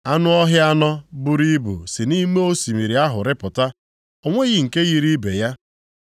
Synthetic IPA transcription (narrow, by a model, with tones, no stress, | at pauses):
a˦nʊ˦ɔ˦ɦɪ˦a˦nɔ˦bʊ˦ɾi˦bṵ˨si˨ni˦me˦o˦si˨mi˨ɾi˨a˦ɦʊ˨ɾɪ˦pʊ˨ta˦ | o˨ŋʷe˦ɣɪ˨ŋ̩˨ke˦ɣi˨ɾi˦be˨ja˦